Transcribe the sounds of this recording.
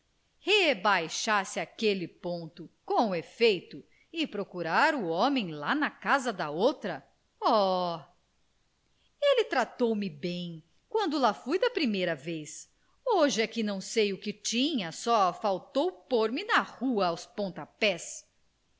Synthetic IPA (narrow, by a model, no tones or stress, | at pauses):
hebajʃaɾsɪakelɪpõnt̪ʊkõw̃efejt̪ʊ | ɪpɾokuɾaɾʊɔmẽj̃lanɐkazɐd̪ɐowt̪ɾɐ | ɔ | elɪt̪ɾat̪owmɪbẽj̃ | kwɐ̃nd̪ʊlafujd̪ɐpɾimejɾɐves | oʒɪɐkɪnɐ̃w̃sejʊkɪt͡ʃĩɲɐsɔfawt̪owpoɾmɪnɐhuɐawspõnt̪apɛs